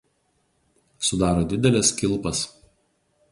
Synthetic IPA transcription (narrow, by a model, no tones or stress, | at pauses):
sʊd̪ɑːɾoːd̪ʲɪd̪ʲɛlʲɛskʲɪlˠpɐs